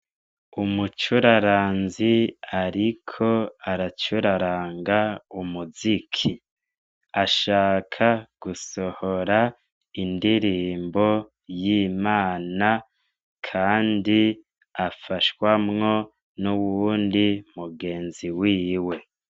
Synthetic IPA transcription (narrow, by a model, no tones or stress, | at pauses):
umut͡ʃuɾaɾaːnziaɾikʰo̞aɾat͡ʃuɾaɾaːŋɡaumuzikʰi | aʃaːkʰaɡ̥uso̞hoɾa | indiɾiːmbo | jiːmaːna | kʰaːndi | afaʃwamŋo̞ | nuβundimuɡe̞ːnziwiːwe̞